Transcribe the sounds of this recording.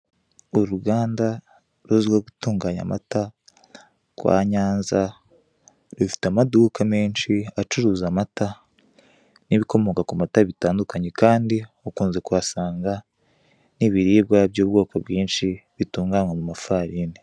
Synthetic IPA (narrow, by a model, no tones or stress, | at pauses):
uɾuɡaːnda | ɾuziɡwoɡutuːŋɡaːɲa̰ma̰ta | kwa̰ːɲaːnza | ɾufi̥tamadukʰameːnʃiat͡ʃuɾuːzamata | niβiko̞mo̞kakumataβitaːndukaɲe̞kaːndi | okuːnzekuβasaːŋɡa | niβiɾiːb̚ɡabjoːb̚ɡo̞ːkobɡiːnʃiβituːŋɡanwamumafaɾine